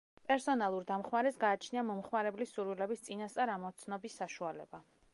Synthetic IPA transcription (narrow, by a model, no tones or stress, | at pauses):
pʼɛɾsɔnalˠuɾd̪amχmaɾɛsɡaːt͡ʃʰniamɔmχmaɾɛblisːuɾwilɛbist̪sʼinast̪sʼaɾamɔt̪sʰnɔbisːaʃualɛ̰ba